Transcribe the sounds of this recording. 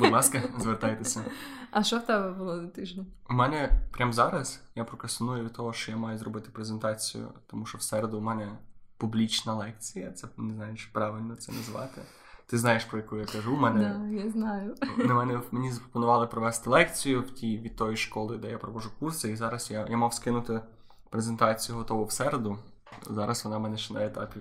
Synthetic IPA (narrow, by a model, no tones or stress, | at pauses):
bʊd̪ˠɑskɐzʋert̪ɑjt̪esʲɐɐʃɔwt̪ɛbɛbʊlˠɔd̪ɐt̪ɪʒnʲɐ | mɛnɛpɾʲamzɑɾɐsjapɾɔkɐst̪ɔnujʊʋʲid̪̚t̪ɔɦɔʃt͡ʃɔjamɑjʊzrɔbɪt̪ɪ̥pɾezent̪ɑt͡sʲijʊ̰t̪ɔmuʃɔwsɛɾed̪ʊmɛnɛpublʲit͡ʃnɐlˠɛk̚t͡sʲijɐt̪sɛnɪznɑjeʃpɾɑʋɪlʲnɔt̪sɛnɐzʋɑ̰t̪ɪ | t̪ɪznɑjeʃpɾɔjɐkujʊjakɐʒumɛnɛjaznɑjʊnɛmɛnɛmenʲizɐpɾɔ̥pɔnʊʋɑlˠɪpɾɔʋɛst̪ɪlˠɛkt͡sʲijʊwtʲiʋʲid̪̚t̪ɔjiʃkɔlˠɪd̪ɛjapɾɔʋɔʒʊkursɪizɑɾɐsjajamɑwskɪnʊt̪ɪ | pɾezent̪ɑt͡sʲijʊɦɔt̪ɔʋʊwsɛɾed̪ʊ | zɑɾʔɐsʋɔnɑmɛnɛʃt͡ʃɪnɐjet̪ɑ̰pʲi